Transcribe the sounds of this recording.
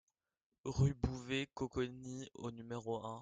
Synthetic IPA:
ʁybuvekɔkɔnio̰nymeʁoɛ̃

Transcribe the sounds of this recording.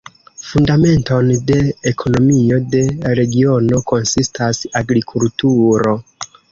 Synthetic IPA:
fundame̞nto̞nde̞ekʰo̞no̞mio̞de̞ɾe̞ɡio̞no̞ko̞nsistʰasaɡɾikʰultuɾo̞

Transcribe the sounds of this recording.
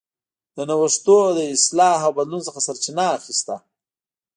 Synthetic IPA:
d̪̥ənawəʂt̪od̪əɪslɑɦawbad̪lunsəxasaɾt͡ʃinaːxist̪a

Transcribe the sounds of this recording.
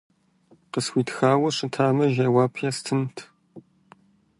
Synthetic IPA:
qəswʷiːtxaːwɐʂɨtʰaːmɐʒɐwaːpʰjɐstʰɨmtʰ

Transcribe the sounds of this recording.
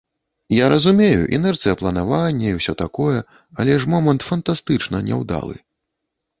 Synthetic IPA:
jaɾɐzumʲejṵʔɛ̰nɛrt̪sɨjɐplˠɐnavanʲːɛiwsʲɔt̪akɔjɛ | ɐlʲɛʂmɔmɐnt̪fɐnt̪ast̪ɨt͡ʂnɐnʲɛ̰wd̪a̰lˠɨ̰

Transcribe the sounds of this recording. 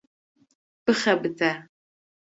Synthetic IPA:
b̥ɨχɐbɨtʰaː

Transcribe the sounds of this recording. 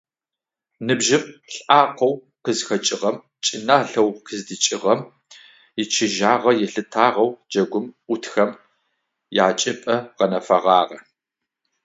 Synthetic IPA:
nɨbʒɪmɬʼaːqʷɐw | qəzxɐt͡ʃʼɪʁɐm | t͡ʃʼɪnaːɬɐwqɨzdɨt͡ʃʼɪʁɐm | jɪt͡ʃʰɪʒaːʁɐjɛɬɨtʰaːʁɐwd͡ʒɐɡʷʊmʔʷʊtʰxɐm | ja̰ːt͡ʃʼɪpʼɐʁɐnɐfɐʁɑːʁɐ

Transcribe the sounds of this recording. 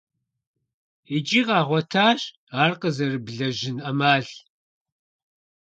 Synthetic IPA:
id͡ʒʼiːqɑːʁʷɔtʰaːɕ | aːrqəzɐrɨbɮɐʒɪnɐmaːɬ

